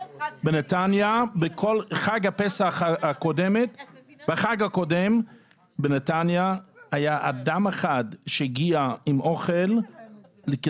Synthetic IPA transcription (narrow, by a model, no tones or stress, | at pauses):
benet̪anjabekʰolχaɡapesaχaakodemetb̥eχaɡakodem | benet̪anjahajaʔad̪ameχadʃejiɡiaimʔo̞χelː | ek